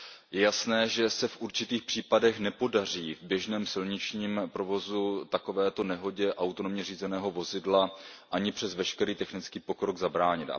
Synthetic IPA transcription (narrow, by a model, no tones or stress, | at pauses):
jɛjasnɛːʒɛsɛfʔuɾt͡ʃɪt̪iːxpr̝̥iːpadɛxnɛpo̞dar̝iːvbjɛʒnɛːmsɪlɲɪt͡ʃɲiːmpɾo̞vo̞zut̪ako̞vɛːt̪o̞nɛɦo̞ɟɛʔawt̪o̞no̞mɲɛriːzɛnɛːɦo̞vo̞zɪdlaʔaɲɪpr̝̥ɛzvɛʃkɛɾiːt̪ɛxnɪt͡skiːpo̞kɾo̞ɡzabɾaːɲɪt̪a̰